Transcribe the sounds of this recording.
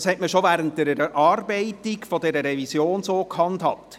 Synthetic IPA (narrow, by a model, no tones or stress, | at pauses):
shɛtməʃovæːɾəntdəɾɛɾʔɑːrbɛɪtɪɡfodɛɾəɾɛvisjoːnsoːkʰhɑnthɑ̰t